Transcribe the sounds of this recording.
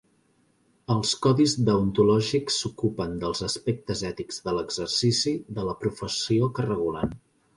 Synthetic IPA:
əlˠskɔðizd̪əunt̪ulɔʒiksːukupənd̪əlˠzəspek̚t̪əzɛt̪iɡz̥ðələɡzərsisiðələpɾufəsiokərəɣ̞ulan

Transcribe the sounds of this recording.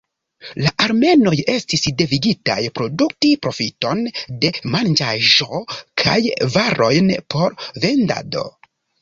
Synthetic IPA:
laʔaɾme̞no̞je̞stisde̞viɡita̰jpɾo̞duk̚tipɾo̞fito̞nde̞mand͡ʒaʒo̞kʰa̰jvaɾo̞jnpʰo̞ɾve̞nda̰do̞̰

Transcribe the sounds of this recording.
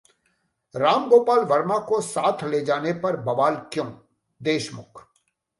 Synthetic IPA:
ɾaːmɡoːpaːlʋɐɾmakosaːt̪ʰleːd͡ʒaːnepɐɾbɐʋaːlkjõː | d̪eːʃmʊ̰kʰ

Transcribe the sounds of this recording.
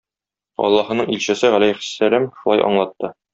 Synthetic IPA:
ɒ̰lˠːɑhɤ̆nɤɴilɕɘ̆sɘʁælæjχɘ̥sːælæmʃulˠɑ̰jʔɒ̰ɴlˠɑt̪ːɤ

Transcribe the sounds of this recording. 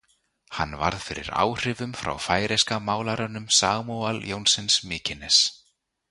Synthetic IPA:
ha̰nːva̰ɾðfɪɾɪ̰ɾa̰ːwr̥ɪvʏmfɾa̰wfaːjɾeskamaːwlaɾanʏmsaːɣmualjownsɪnsmɪːcɪnɛs

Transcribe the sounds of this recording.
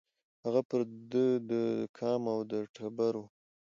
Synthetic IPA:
haɣapəɾd̪əd̪əkʰɑmawd̪əʈʰabaɾu

